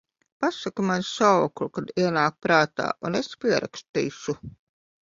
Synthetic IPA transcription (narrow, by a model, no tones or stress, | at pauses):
pasakumanssawkɾukad̪iɛnaːk̚pɾaːt̪a̰ːunespʲiɛɾa̰kst̪ḭːʃu